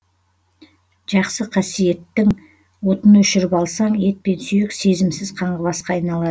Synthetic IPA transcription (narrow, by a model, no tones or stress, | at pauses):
ʒ̥ɑqsəqʰɑsije̞t̪ːɪŋ | wo̞t̪ənɵʃɪɾɪpɑlˠsɑɴe̞t̪̚pe̞nsʏjɪkse̞zɪmsɪz̥qʰɑɴʁəβɑsqɑːjnɑlˠɑd̪ə